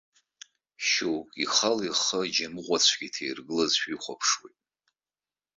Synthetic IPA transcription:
ʃowkʼiχaliχəd͡ʒamɨʁʷat͡sʷʰɡ̥ʲitʰejrɡɨlɨzʃʷᶣiχʷapʰʂwejtʼ

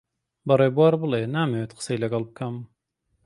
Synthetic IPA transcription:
bɐreːbuwaːɾbɨlˠenaːmeːwet̪̚qə̥sejlɐɡɐlˠbɨkʰɐm

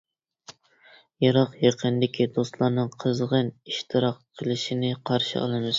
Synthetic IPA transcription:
jɑɾɑqjeqʰənd̪ɪkʲʰid̪ost̪lˠɑɾnɨŋqʰəzʁəniʃt̪ʰɨɾɑqqʰːəlˠɨʃinɪqʰɑɾʃḭɑ̰lˠɨmɨz̥

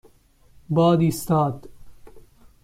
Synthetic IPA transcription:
bɑːd̪iːst̪ɑːd̪

